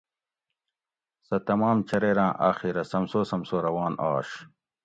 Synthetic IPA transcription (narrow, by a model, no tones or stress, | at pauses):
sɐt̪ɐmaːmt͡ɕʰɐɾeːɾãːʔaːxiɾɐsɐmsoːsɐmsoːɾɐwaːnaːɕ